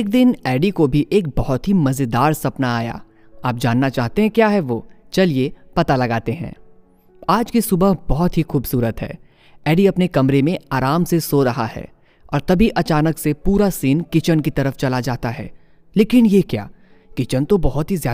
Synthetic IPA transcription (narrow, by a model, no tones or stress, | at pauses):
k̚d̪ɪnɛːɖikobʱiʔeːk̚bɐɦɔt̪ɦimɐzɪd̪aːɾsɐpnaaːja̰ː | aːp̚d͡ʒaːnːat͡ʃaːɦt̪eɦɛ̃kjaːɦɛʋoːt͡ʃɐliepɐt̪alɐɡaːt̪eɦɛ̰̃ː | aːd͡ʒkisʊbəɦbɔɦɔt̪ɦixuːbsuːɾət̪ɦɛ̰ː | ɛːɖiɐpnekɐmɾemẽaːɾaːmsesoɾɐɦa̰ɦɛ̰ː | ɔ̰ːɾt̪ɐbʱiʔɐt͡ʃaːnəksepuːɾasiːnkɪt͡ʃənkit̪ɐɾəft͡ʃɐlad͡ʒaːt̪aɦɛ̰ː | leːkɪnjekja̰ː | kɪt͡ʃənt̪obɐɦɔt̪ɦizjaː